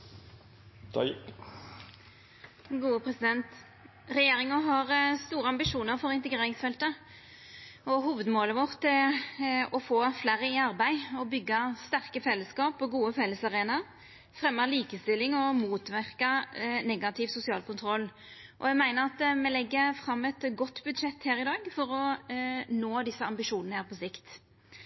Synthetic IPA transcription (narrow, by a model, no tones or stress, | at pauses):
ɡuːəpʰɾɛsɪd̪ɛnt̪ | ɾɛjeːɾɪŋəɦɑʁst̪uːɾəɑmbɪʂuːnəɾfɔɾɪnt̪əɡɾeːɾɪŋsfɛlt̪ə | ɔɦuːʋəd̪moːləʋɔʁt̪ʰːɪ | ɔfoːflæːɾəɪɑʁbæɪɔbʏɡːɑst̪æʁkəfɛlːəskɑːpɔɡuːəfɛlːəsɑʁeːnɑɾ | fʁɛmːəliːkəst̪ɪlːɪŋɔmuːt̪ʋæʁkɑnɛɡɑt̪ʰɪʋsʊsɪɑ̰ːlkʊnt̪ʰɾɔlː | ʔɔjɛɡmæɪnəɾɑt̪mɛlɛɡːəfʁɑmːɛt̪ɡɔt̪ːbʉd̪ʂɛt̪ːhæːɾɪd̪ɑːɡfɔɾɔ | noːd̪ɪsːəɑmbɪʂuːnnəhæːʁpɔsɪkt̪